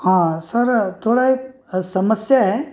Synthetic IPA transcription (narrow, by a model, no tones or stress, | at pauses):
hãːsɐɾt̪ʰoːɽae | sɐməsjaɦɛː